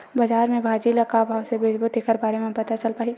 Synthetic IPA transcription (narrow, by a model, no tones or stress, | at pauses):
bɐd͡ʒaːɾmẽbʱaːd͡ʒilɐkabʱaːwsebɪd͡ʒbʱʊt̪ːekʰəɾbaːɾemẽpɐt̪at͡ʃəlpaːɦi